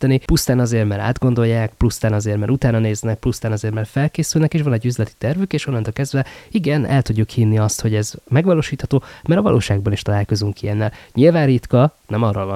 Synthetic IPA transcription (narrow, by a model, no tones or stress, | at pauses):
ɛnipust̪aːnɒzeːrmɛɾa̰ːd̪ɡo̞nd̪o̞jːaːkplust̪aːnɒzeːrmɛɾut̪aːnɒneːznɛk̚plust̪aːnɒzeːrmɛrfɛlkeːsylnɛkeːʃvʋɒnɛɟːyzlɛt̪i̥t̪ɛrvykeːʃonːɒnt̪olkɛzd̪vɛiɡɛnɛ̰lt̪uɟːukhinːiɒst̪ho̞ɟɛzmɛɡʋɒloːʃiːt̪hɒt̪oːmɛɾɒvɒlʔo̰ːʃaːɡ̚bɒniʃt̪ɒlaːlko̞zuŋkiɛnːɛlɲilvaːnrit̪kɒnɛmɒrovɒ